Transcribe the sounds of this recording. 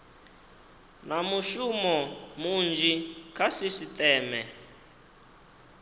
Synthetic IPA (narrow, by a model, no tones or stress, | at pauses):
namuʃumɔmund͡ʒikʰasisit̪ɛːmɛ